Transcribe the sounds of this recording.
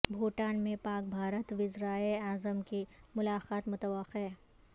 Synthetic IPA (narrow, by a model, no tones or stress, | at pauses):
bʱoːʈaːnmẽpaːk̚bʱaːɾət̪ʋɪzɾaːeaːzəmkimʊlaːqaːt̪mʊt̪əʋəxɦɛː